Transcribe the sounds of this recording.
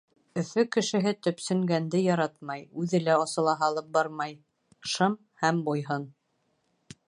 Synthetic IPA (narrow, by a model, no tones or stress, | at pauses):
ɵ̆fɵkɘ̆ʃɘ̆ɦɘt̪ɵ̆psɵ̆ŋɡænd̪ɘjɑɾɑt̪̚mɑjʉðɘ̆læɑsɤ̆lˠɑɦɑlˠɤp̚bɑɾmɑj | ʃɤm | hæmbujɦɤn